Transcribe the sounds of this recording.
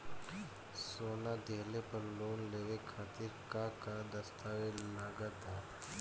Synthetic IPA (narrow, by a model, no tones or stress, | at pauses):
soːnad̪eːlepəɾloːnleːʋekʰaːt̪ɪɾkakad̪əst̪aːʋelaːɡət̪ɦɛ